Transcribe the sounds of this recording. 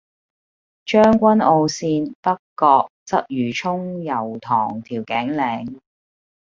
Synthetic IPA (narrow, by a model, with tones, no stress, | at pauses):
t͡ʃœː˥ŋkʷɐ˥nʔo˧wsiː˧npɐ˥kːɔː˧k̚t͡sɐ˥p̚jyː˨˩t͡ʃʰʊ˥ŋjɐ˨˩wt̪ʰɔː˨˩ŋt̪ʰiː˨˩wkɛː˨˥ŋlɛː˨˥ŋ